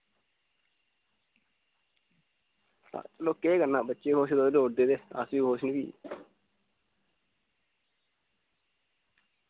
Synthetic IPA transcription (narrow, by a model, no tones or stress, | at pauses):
ã̰loːkːeːɡənːãːbətːʃeːɦoːʃd̪oːloːɖeːd̪eːə̰sʋiːɦoːʃnbḭː